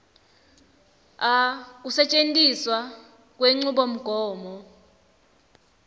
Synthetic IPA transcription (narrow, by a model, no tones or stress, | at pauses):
ak̬ʼusɛt͡ʃʼentʼiswa | k̬ʼweŋ͡ǀuɓom̩ɡ̥ʱɔːmɔ